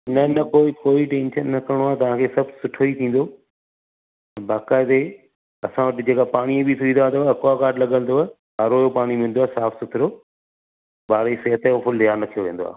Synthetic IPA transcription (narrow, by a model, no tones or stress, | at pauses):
nɐnɐkoːikoːiʈẽːnʃənːɐkɐɽ̃oaːt̪̬ɐʋ̤ãːkʰeːsɐbsʊʈʰoit̪ʰĩːnd̪oː | ɐbaːkaːɪt̪e | ɐsãʋɐʈɪd͡ʑeːkapaːɽ̃iebɪt̪ʰʊĩd̪aːt̪oɐkaːkaːɾɖlɐɠə̃nd̪oa | aɾoːjopaːɽ̃imɪ̃n̆d̪oaːsaːfsʊtʰɾoː | baːɾeseːɦɐt̪efʰʊld̪ɪɦaːnɐt̪ʰijoʋẽːnd̪o̰a̰ː